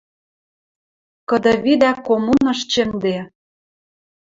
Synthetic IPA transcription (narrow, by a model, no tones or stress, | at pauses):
kɤ̆d̪ɤ̆βid̪ækomunɤ̆ʃt͡ɕĕnd̪e